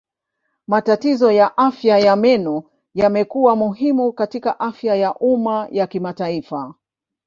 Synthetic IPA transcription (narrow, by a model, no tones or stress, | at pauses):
matatizɔjaʔafjajamɛnɔ | jamɛkuwamuɦimukatikaʔafjajaʔumajakimataifa